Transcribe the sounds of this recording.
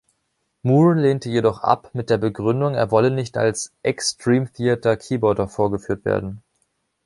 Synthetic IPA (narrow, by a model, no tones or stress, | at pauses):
muːleːntəjedɔχʔa̰pmɪt̚d̥eːɐbəɡʁʏndʊŋeːɐvɔlənɪçta̰lsʔɛkstʁ̥iːmθiːɐtɐkʰiːbɔɐdɐfoːɐɡəfyːɐtv̥ḛːɐdn̩